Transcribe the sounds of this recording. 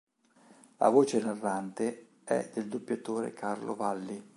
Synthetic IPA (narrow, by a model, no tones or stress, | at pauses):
la̰voːt͡ʃenarːant̪e | ɛ̰d̪eld̪opːjat̪oːɾḛkʰarlo̰valːi